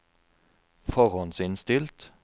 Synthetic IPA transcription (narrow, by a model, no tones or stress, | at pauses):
fɔʁɔnsɪnst̪ɪlt̪